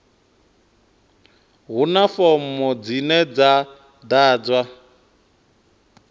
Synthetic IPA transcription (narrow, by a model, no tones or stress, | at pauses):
ɦunafɔm̩mɔd͡zinɛd͡za | d̪aːd͡zwa